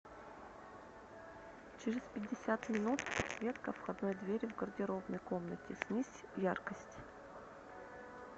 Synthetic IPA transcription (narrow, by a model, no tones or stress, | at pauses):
t͡ɕɪɾʲɪspʲɪdʲːɪsʲat̪mʲɪnut̪pɐt̪svʲet̪kəfxɐd̪nojd̪vʲeɾʲvɡərdʲɪɾovnəjko̞mnətʲɪsʲnʲisʲvjarkəsʲtʲ